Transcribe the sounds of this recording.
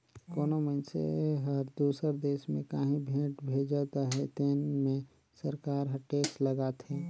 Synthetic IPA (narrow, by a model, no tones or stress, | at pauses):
koːnomənsḛɦəɾd̪uːsəɾd̪eːʃmẽkaːɦĩbʱẽːʈbʱeːd͡ʒat̪aɦɛt̪enmẽ | səɾkaːɾɦəʈeːksləɡaːt̪ɦɛː